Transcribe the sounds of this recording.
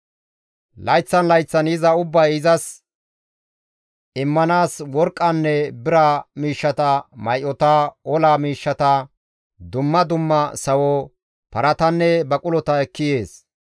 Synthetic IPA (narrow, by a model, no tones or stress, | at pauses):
lɐjt͡sːɐnlɐjt͡sːɐnɪzɐʊbːɐjɪzɐs | ɪmːɐnaːswɔɾkʼːɐnːɛbɪɾɐmiːʃːɐt̪ɐmɐjʔɔt̪ɐɔlaːmiːʃːɐt̪ɐ | d̪ʊmːɐd̪ʊmːɐsɐwɔ | pɐɾɐt̪ɐnːɛbɐkʼʊlɔt̪ɐɛkːɪje̞ːs